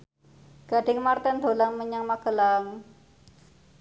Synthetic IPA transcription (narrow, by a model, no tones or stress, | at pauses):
ɡ̥a̤ɖ̥ɪŋmart̪ɛnd̪olaŋməɲaŋmaɡ̥ə̤laŋ